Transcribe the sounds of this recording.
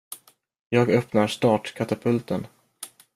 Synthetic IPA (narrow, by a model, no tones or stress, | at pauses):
jɑːɡœpnaɾʂt̪ɑːʈkʰat̪apʰɵlt̪ən